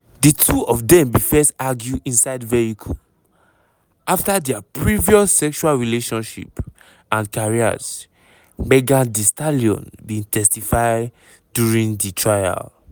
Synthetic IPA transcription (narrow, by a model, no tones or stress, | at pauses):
ditʰuɔfdɛ̃mbifɛstaɡjuĩnsaɪdvɛhikʰu | aftadɛapʰɹiviɔsːɛkʃualɹileʃɔ̃nʃḭp | ãnkaɹia̰z | mɛɡãdistaliɔ̰̃nbĩtʰɛstifaɪ | djuɹĩŋditʰɹaja̰l